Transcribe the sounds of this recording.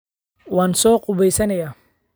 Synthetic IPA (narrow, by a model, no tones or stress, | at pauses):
wɑːnsɔːqʼʊβɛjsɐnɐjaː